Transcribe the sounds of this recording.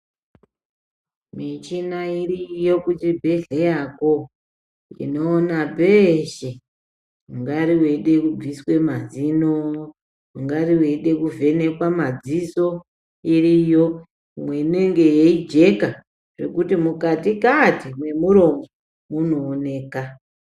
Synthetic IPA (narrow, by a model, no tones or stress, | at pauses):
mit͡ʃinairijo̞kut͡ʃibʱe̞ɮejako | ḭno̞ːnabʱeʃe | uŋɡaɾiweɗe̞kub͡viswe̞mazino | uŋɡariweɗe̞kuve̞ne̞kwamad͡ziso̞ | irijo̞ | mwe̞neŋɡejeid͡ʒe̞ka | ʐekutimukatikatimwe̞muɾo̞mɡo | munoːne̞ːka